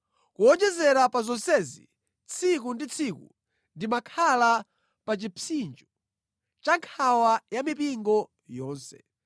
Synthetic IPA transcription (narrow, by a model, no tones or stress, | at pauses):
kuɔd͡ʒɛzɛɾapazɔnsɛzḭ | t͡sʰikundit͡sʰikṵ | ndimakʰala | pat͡ʃipʰind͡ʒɔ | t͡ʃaŋkʰawajamipiŋɡɔ | jɔːnsɛ̥̰